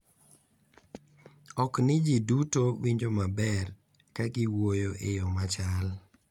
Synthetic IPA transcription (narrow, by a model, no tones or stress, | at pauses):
ɔknɪd͡ʒidutowiɲd͡ʒomabɛr | kaɡɪwojoʔḛjɔmat͡ʃal